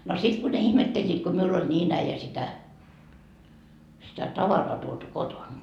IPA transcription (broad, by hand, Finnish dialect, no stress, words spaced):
no sit ku ne ihmetːelʲːiːt ku miulː olʲ niːn æijæ sitæ sitæ tɑʋɑrɑː tuotu kotont